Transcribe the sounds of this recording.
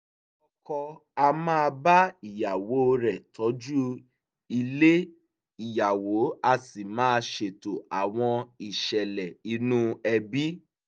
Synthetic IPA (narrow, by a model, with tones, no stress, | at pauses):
ɔ˧kɔ˧a˧mãː˦˧ba˦i˨ja˨wo˨˦o˧ɾɛ˨tʰɔ˨˦d͡ʒu˦ | i˧le˦ | i˨ja˨wo˨˦a˧si˨mãː˦˧ʃe˨to˨a˨w̃ɔ̃˧i˨ʃɛ˨lɛ˨i˧˦nũ˦ɛ˧bi˦